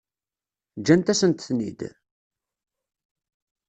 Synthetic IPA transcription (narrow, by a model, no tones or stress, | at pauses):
d͡ʒːænt̪æsənt̪θnḭd̪